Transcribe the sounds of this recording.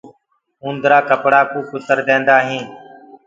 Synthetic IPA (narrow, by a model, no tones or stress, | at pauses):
ũːnd̪ɾaːkəpɽaːkuːkʊt̪əɾd̪ẽːnd̪aːɦĩː